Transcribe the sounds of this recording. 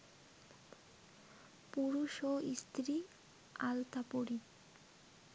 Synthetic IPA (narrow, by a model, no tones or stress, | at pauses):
puɾuʃoist̪ɾi | alt̪apoɾi